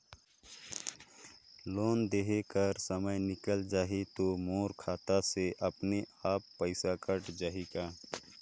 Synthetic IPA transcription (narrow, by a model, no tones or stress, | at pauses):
loːnd̪eːɦekəɾsəməjnɪkəld͡ʒaːɦit̪omoːɾkʰaːt̪aseʔɐpneaːpːəɪsakəʈd͡ʒaːɦikaː